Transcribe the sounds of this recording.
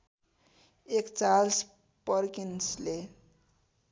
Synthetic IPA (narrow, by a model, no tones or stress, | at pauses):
ekt͡sals | pʌɾkinsle